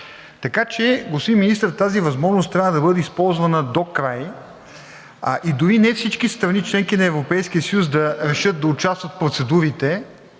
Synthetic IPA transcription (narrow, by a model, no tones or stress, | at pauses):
t̪ɐkat͡ʃɛɡosiminist̪ɾət̪azivɐzmɔʒnʊst̪ɾʲavəd̪ɐbɤd̪ɛispɔlˠzvɐnəd̪okɾaj | ʔid̪ʊɾinɛfsit͡ʃkist̪ɾɐnit͡ʃlɛŋkinɐɛvɾopɛjskiəsəjusd̪ɐɾɛʃɤt̪̚d̪ɐʊt͡ʃast̪vət̪fpɾot̪sɛd̪uɾit̪ɛ